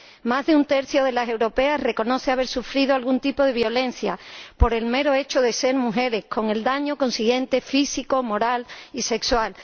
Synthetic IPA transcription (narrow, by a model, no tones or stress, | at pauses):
mazðeunt̪e̞ɾθjo̞ð̞e̞lase̞wɾo̞pe̞asre̞ko̞no̞θe̞aβe̞ɾsufɾið̞oalɣunt̪ipo̞ðe̞β̞jo̞le̞n̟θjapo̞ɾe̞lme̞ɾoe̞t͡ʃoðe̞se̞ɾmuxe̞ɾe̞hko̞ŋe̞ld̪aɲo̞kõ̞nsiɣje̞nt̪e̞fisiko̞mo̞ɾalise̞kswal